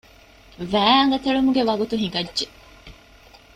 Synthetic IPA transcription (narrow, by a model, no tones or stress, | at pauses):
ʋæːɐŋɡɐt̪ɐɭumuɡeʋɐɡut̪uɦiɡɐdːʒe